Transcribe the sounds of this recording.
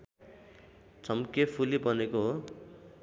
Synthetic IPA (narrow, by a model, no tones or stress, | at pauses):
t͡sʰʌmkepʰulibʌnekoɦo